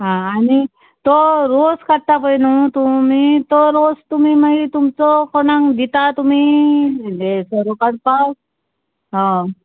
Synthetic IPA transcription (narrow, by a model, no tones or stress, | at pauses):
ɦãːni | t̪ɔɾoskəɽt̪apəjnũt̪umit̪ɔɾost̪um̤imaɡit̪umt͡sɔkoɽãŋd̪it̪at̪um̤i | desəɾokaɽpa | ɦã